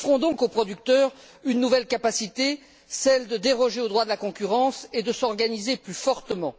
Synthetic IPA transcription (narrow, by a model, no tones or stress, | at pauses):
fʁɔ̃d̪ɔ̃kopχɔd̪yk̚t̪œʁ | ynːuvɛlkapasit̪e | sɛld̪əd̪eʁɔʒeod̪ʁwad̪əlakɔ̃kʲyʁɑ̃sed̪əsɔʁɡanizeplyfɔʁt̪əmɑ̃